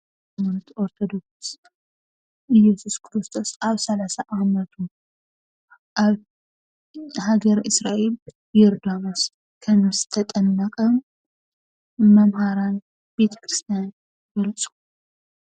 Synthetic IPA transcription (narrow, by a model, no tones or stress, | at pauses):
monɐt̪ʰʔoɾt̪ʰo̞d̪o̞ks | ʔɨjɛsuskʰɨɾɨst̪ʰo̞saβsɐlasaʔamɐt̪ʰu | ʔaβ | haɡɐɾɨsɾaʔe̞l | jɛɾd̪amɐs | kʰɐmːɨst̪ʰɐt̪ʼɐnːakʼɐm | ɐmhaɾan | b̥e̞t̪ʰɐ̥kʰɾɨst̪ʰijan | ɡɐlt͡sʼu̥